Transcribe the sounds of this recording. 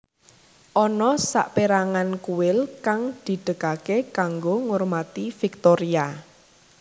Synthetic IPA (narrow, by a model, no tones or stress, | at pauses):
ʔɔnɔsa̰ʔpeɾaŋankuwɪlkaŋd̪̥i̤ɖ̥əkakekaŋɡoŋormat̪ifik̚t̪ɔɾia